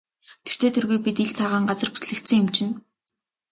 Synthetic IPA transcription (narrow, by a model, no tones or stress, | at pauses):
t̪ʰɵ̥t̪ʰeːt̪ʰɵrɣujpit̪iɮt͡sʰaʁaːɴɢat͡sə̆rpu̥sɮɘ̆kt̪sɘ̆ŋʊmt͡ɕɪ̆n